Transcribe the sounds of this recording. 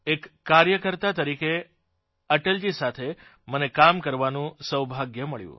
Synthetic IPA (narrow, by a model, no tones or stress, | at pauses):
ekːaɾjəkəɾt̪at̪əɾike | əʈeld͡ʒisat̪ʰe | mənekamkəɾʋanũsəwbʱaɡjəməɭjṵ̃